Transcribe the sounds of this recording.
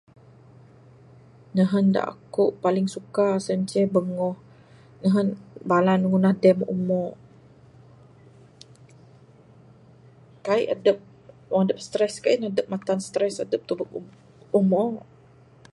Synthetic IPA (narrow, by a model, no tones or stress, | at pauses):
nəɦənda̰ʔa̰kuʔpalɪŋsukasəɲt͡ʃɛbəŋɔh | nəɦənbalanŋunahdɛmʔṵmɔ | kaiʔa̰dəp̚ | waŋadəp̚st̪ɾɛskainadəp̚mat̪anst̪ɾɛsadəp̚t̪ubək̚u | umɔ